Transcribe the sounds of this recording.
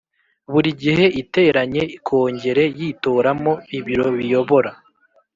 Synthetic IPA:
βuɾiɟihe̞ʔite̞ɾaɲe̞ikʰo̞ːɲɟe̞ɾe̞jito̞ːɾamo̞iβiɾo̞βijo̞βo̞ɾa

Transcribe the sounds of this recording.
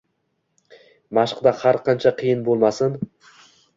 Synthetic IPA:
maʃqd̪ahaɾqʰɑnt͡ʃʰaqʰɨjɪnbolˠmasɪn

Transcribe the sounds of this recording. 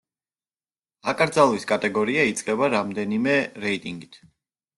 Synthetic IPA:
akʼɾd̪zalˠwiskʼat̪ʼɛɡɔɾiait̪sʼqʼɛbaɾamd̪ɛnimɛɾɛit̪ʼiŋɡit̪ʰ

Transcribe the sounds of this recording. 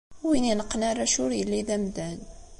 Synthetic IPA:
wininəqːnaɾːæʃʊɾjəlːid̪æmd̪æn

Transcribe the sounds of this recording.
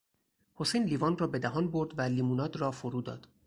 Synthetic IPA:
ho̞sejnlivɒnrɒːbed̪æɦɒnboɾd̪vælimunɒːd̪rɒːfoɾuːd̪ɒ̰ːd̪̥

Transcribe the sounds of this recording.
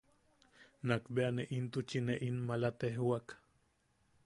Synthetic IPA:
nakbeaneʔint̪ut͡ʃineʔinmalat̪eɦwak

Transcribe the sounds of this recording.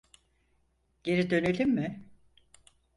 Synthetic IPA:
ɟ̥e̞ɾid̪ø̞nelʲimːɪ

